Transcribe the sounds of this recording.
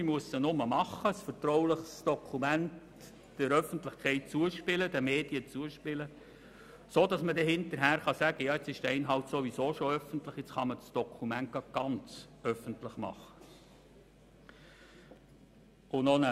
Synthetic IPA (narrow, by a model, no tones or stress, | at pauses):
imuəssənʊməmɑχːəsfəɾtɾɔʊlɪχsd̥ɔkʰumænt | d̥ɛɾœfən̩tlɪχkʰɛɪt̚t͡suəʃpɪlədɛmeːd̥iət͡suəʃpɪlə | soːdɑsmədɛɦɪntəɾɦæːɾχɑsæɡəjɑːɪt͡sɪʃd̥əɛɪnɦɑltsoʋisoːʃoœfəntlɪχjɛt͡sχɑmədsd̥ɔkʰumænt̚ɡ̥ɑd̚ɡ̥ɑnt͡sœfəntlɪχmɑ̰χə̥ | ʊnɔnə